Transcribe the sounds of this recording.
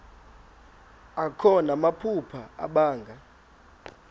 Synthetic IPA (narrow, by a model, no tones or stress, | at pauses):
akʰɔnamapʰupʰaa̰ɓaːŋɡʱa